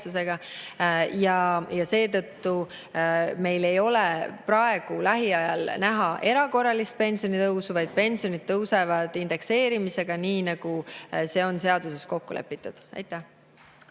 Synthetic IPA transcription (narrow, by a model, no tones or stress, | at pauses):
us̬e̞ɡ̥ɑ | jɑjɑse̞ːt̪ɤt̪ːu | me̞jle̞jo̞lepɾɑe̞ɡ̥ulæɦiɑjɑlnæɦɑʔe̞ɾɑko̞rːɑlist̪̚pe̞nʲsio̞nit̪ɤwsuvɑjd̪̥̚pe̞nʲsio̞nid̪̥̚t̪ːɤwse̞vɑd̪̥ind̪̥e̞kse̞ːɾimise̞ɡ̥ɑniːnɑɡ̥use̞o̞nse̞ɑd̪use̞sko̞kːṵle̞̰pːˑit̪ːˑud̪̥ɑ̰jt̪ːˑæh